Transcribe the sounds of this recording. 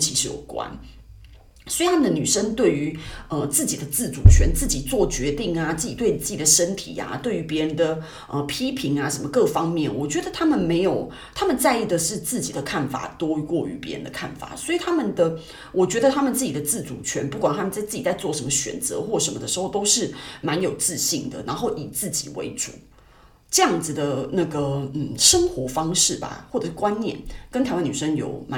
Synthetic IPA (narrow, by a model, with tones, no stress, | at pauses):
t͡ɕʰi˧˥ʂɻ̩˥˩jo̰˨˩ʊkwa̰˦˥n | swɔ˧˥i˨t̪ʰa˥mə˨˩d̪ə˨˩ny˨˩ʂə˥ŋt̪we˥˩ɪy˧˦ə˧t͡sɹ̩˥˩t͡ɕi˨˩d̪ə˦t͡sɹ̩˥˩t͡sṵ˨˩t͡ɕʰɥɛ̰˧˥nt͡sɹ̩˥˩t͡ɕi˨˩t͡swɔ˥˩t͡ɕɥɛ˧˥t̪i˥˩ŋa˩t͡sɹ̩˥˩t͡ɕi˨˩t̪we˥˩ɪ˨˩t͡sɹ̩˥˩t͡ɕi˨˩d̪ə˩ʂə˥nt̪ʰḭ˨˩a̰˨t̪we˥˩ɪy˧˥pjɛ˧˦˥ɻə˧nd̪ə˨ | ʔə˧pʰi˥pʰi˧˥ŋa˧ʂə˧˥nmə˧kɤ˥˧fɑ˦ŋmjɛ˥˨˩nwɔ˨˩t͡ɕɥɛ˧˥d̪ə˨˧t̪ʰa˥mə˨nme˧˥ɪjo˨˩ʊ | t̪ʰa˥mə˨nt͡sa˥˧ɪi˥˩d̪ə˩ʂɻ̩˥˧t͡sɹ̩˥˩t͡ɕi˨˩d̪ə˦kʰa˥˩nfa̰˨˩t̪wɔ˥kwɔ˥˩y̰˧˥pjɛ̰˧˥ɻə̰˧nd̪ə̰˧kʰa̰˥˩nfa̰˨˩swɔ˧˥i˨˩t̪ʰa˥mə˨nd̪ə˨ | wʔɔ˨˩t͡ɕɥɛ˧˥d̪ə˨t̪ʰa˥mə˨nt͡sɹ̩˥˩t͡ɕi˨˩d̪ə˩t͡sɹ̩˥˩t͡su˨˩t͡ɕʰɥɛ˧˥npu˥˩kwa˨˩nt̪ʰa˥mə˨nt͡sa˥˧ɪt͡s̩˥˩t͡ɕi˨˩t͡sa˥˧ɪt͡swɔ˥˩ʂə˧˥mə˧ɕɥɛ̰˨˩nt͡sɤ̰˧˦xwɔ˥˩ʂə˧˥mə˨d̪ə˩ʂ̩ɻ̩˧˥xo˥˩ʊt̪o˥ʊʂɻ̩˥˩ma˧˦˥njo˨˩ʊt͡sɹ̩˥˧ɕi˥˩ŋd̪ə̰˩nʔa˧˥nxo˥˩ʊʔi˨˩t͡sɹ̩˥˩t͡ɕḭ˨˩wḛ˧˥ɪʈ͡ʂṵ˨˩˦ | ʈ͡ʂɤ˥˧jɑ˥˩ŋd͡z̩˨˩d̪ə˩na˥˩ɡə˩n̩˨˩ʂə˥ŋxwɔ˧˥fɑ˥ŋʂɻ̩˥˩ba̰˩xwɔ˥˩ʈ͡ʂɤ˨˩ʂ̩˥˩kwa˦nnjɛ̰˥˩˨nkə˥nt̪ʰa˥mə˨ny˨˩ʂə˥ŋjo̰˨˩˦ʊma˧˦